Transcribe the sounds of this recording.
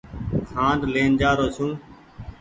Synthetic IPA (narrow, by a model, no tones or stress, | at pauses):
kʰãːnɖleːnd͡ʒaːɾoːsũː